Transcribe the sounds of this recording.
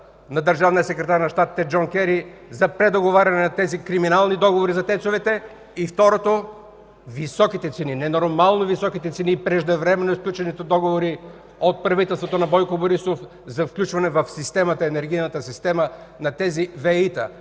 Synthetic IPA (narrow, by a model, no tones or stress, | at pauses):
nɐd̪əɾʒavnijəsɛkɾɛt̪aɾnɐʃt̪at̪it̪ɛd͡ʒoŋkʲɛɾizɐpɾɛd̪oɡovaɾʲɐnɛnɐt̪ɛzikɾiminalˠnid̪ɔɡovoɾizɐt̪ɛt̪sovɛt̪ɛ | ift̪ɔɾot̪o | visɔkit̪ɛt̪sɛninɛnoɾmalˠnovisɔkit̪ɛt̪sɛnipɾɛʒd̪ɐvɾɛmɛnːoisklʲut͡ʃɛnit̪ɛd̪ɔɡovoɾi | ot̪̚pɾɐvit̪ɛlsvot̪onɐbɔjkoboɾisof | zɐfklʲut͡ʃvɐnɛvɐfsist̪ɛmɐt̪əɛnɛɾɡ̟ijnət̪əsist̪ɛmənɐt̪ɛzivɛit̪ə̰